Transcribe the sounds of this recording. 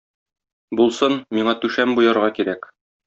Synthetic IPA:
bulˠsɤnmiɴɑt̪ʉʃæmbujɑɾʁɑkiɾæk

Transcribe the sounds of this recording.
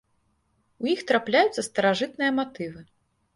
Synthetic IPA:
ujixt̪ɾaplʲajut̪sːɐst̪ɐɾaʐɨt̪nɨjɐmat̪ɨvɨ

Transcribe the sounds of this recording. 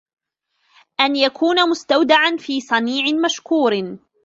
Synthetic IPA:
ʔanjakʰuːnamʊst̪awd̪aʕanfiːsˤɑniːʕɪmaʃkuːɾ

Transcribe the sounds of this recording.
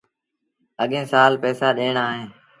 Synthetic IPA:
əɠẽːsaːlpɛːsaːɗeːɳaːɦẽː

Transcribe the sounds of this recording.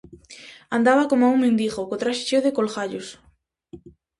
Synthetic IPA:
and̪aβakomauŋmẽnd̪iɣokot̪ɾaʃe̥ʃoðekolɣaʎos

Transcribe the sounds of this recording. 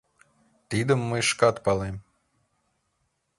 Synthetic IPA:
t̪id̪əmːəjʃkɑt̪pɑlem

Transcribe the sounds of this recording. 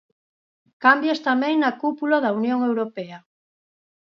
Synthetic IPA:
kambjast̪amɛ̃ŋnɐkupulaðaunjoŋewɾopɛa

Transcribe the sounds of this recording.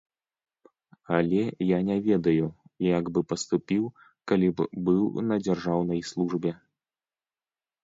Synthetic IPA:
ɐlʲɛjanʲɛvʲɛd̪ɐjujaɡbɨpɐst̪upʲiw | kalʲibbɨwnɐd͡zʲarʐawnɐjslˠuʐbʲɛ

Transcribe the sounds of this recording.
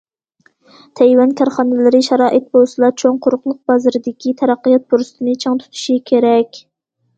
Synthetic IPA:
t̪ʰɛjwɛnkʲʰæɾχɑnɪlɪɾɪʃɑɾɑːʔɪt̪̚bolˠsɨlˠɑt͡ʃʰoŋqʰʊɾʊqlˠʊq̚bɑzɨɾɪd̪ɪkʲit̪ʰɛɾɑqːijɑt̪̚buɾst̪ʰɨnɪt͡ʃʰɑŋt̪ʰu̥t̪ʰu̥ʃikʲʰeɾɛkʲ

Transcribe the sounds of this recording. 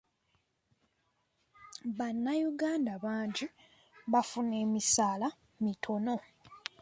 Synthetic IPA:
βanːajuɡaːndaβaːɲɟi | βafune̞ːmisaːla | mitʰo̞no̞

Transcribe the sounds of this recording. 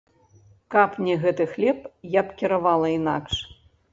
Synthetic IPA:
kapnʲɛɣɛt̪ɨxlʲɛpjapkʲiɾavalˠɐina̰kʂ

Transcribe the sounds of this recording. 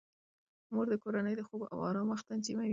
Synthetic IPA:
moɾd̪əkoɾanəjd̪əxoɡoʔa̰wɑ̰ɾɑməxt̪ant͡ʃimawi

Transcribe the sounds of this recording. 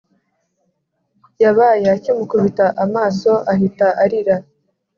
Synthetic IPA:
jaβajeacimukuβitaʔamaːso̞ʔaɦitaʔaɾiɾa

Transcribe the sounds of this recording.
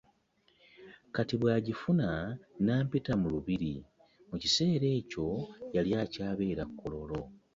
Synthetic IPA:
katiβwaːɟifunanaːmpitamuluβiɾi | mucise̞ːɾe̞ːco̞jaljaːcaːβe̞ːɾakʰːolo̞lo̞

